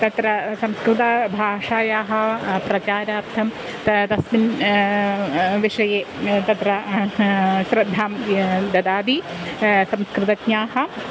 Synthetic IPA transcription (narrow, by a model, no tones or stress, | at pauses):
t̪ɐt̪ɾɐsɐmskɾɨt̪ɐbʱaːʂaːjaːɦɐ̆pɾɐt͡ʃaːɾaːrt̪ʰɐm | t̪ɐt̪ɐsmin | ʋiʂɐjeːt̪ɐt̪ɾɐ | ɕɾɐd̪ʱːaːmd̪ɐd̪aːd̪i | sɐmskɾɨt̪ɐɡɲaːɦɐ̆